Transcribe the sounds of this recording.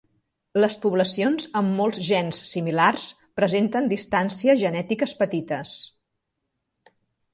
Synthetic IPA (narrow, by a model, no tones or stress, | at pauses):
ləspuβləsionzəmːolˠzʒɛnsːimilars | pɾəzent̪ənd̪ist̪ansiəzʒənɛt̪ikəspət̪it̪əs